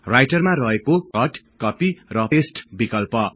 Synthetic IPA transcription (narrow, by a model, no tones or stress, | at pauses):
rajʈʌrmaɾʌɦekokʌʈ | kʌpirʌesʈbikʌlpʌ